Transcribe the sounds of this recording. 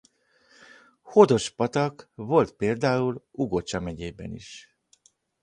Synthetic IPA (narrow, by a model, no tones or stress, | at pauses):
ho̞d̪o̞ʃpɒt̪ɒkvo̞lt̪peːld̪aːuluɡo̞t͡ʃɒmɛɟeːbɛ̰nḭʃ